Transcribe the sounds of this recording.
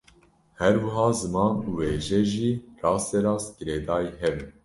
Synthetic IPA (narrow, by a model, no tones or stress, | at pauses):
hɛɾwɨɦɑːzɨmɑːnuːweːʒɛʒiːrɑːst̪ɛɾɑːsɡɨɾeːd̪ɑːiɦɛvɨn